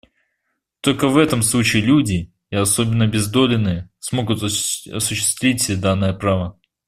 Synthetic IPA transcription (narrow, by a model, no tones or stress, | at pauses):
t̪o̞lʲkəvɛt̪əmslˠut͡ɕɪːlʲudʲɪ | ɪɐso̞bʲɪnːəbʲɪzd̪o̞lʲɪnːɨjəsmo̞ɡʊt̪ɐ̰sʊɕːɪ̥st̪vʲitʲsʲed̪anːɨjəpɾavə